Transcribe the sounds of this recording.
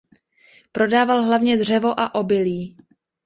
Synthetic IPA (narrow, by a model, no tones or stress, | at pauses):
pɾo̞daːvalɦlavɲɛdr̝ɛvo̞ʔaʔo̞bɪliː